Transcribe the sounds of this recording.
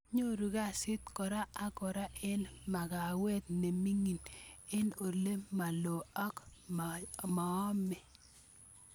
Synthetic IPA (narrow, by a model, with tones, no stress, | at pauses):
ɲo˦ɾu˨ɡa˦˨sɪ˦t̪̚kɔ˨ɾa˦a˦kɔ˨ɾa˦ɪ˦lma˨ɡa˨wɛ˦t̪̚ne˨mi˦ŋi˨nɪ˦no˨le˦ma˨lo˨a˦k | ma˨ɔ˦mɛ˨